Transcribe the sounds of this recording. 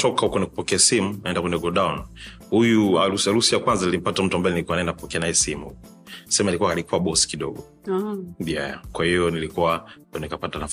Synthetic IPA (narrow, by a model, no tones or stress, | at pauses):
tʰɔkaukwɛnɛku̥pɔkɛasimunaɛndakwɛnɛɡɔɗaun | hujuausaɾusijakwanzanilim̩patam̩tuambajɛnilikuanaɛndakupɔkɛanajɛsimṵhukɔ | sɛmalikuaalikuwaɓɔsi̥kiɗɔɡɔ | jakwahijɔnilikuwa | nikapatanaf